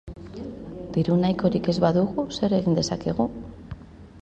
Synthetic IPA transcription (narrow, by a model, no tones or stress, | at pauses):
d̪̥iɾunajko̞ɾike̞zβaðuɣuse̞ɾe̞ɣind̪e̞sake̞ɣu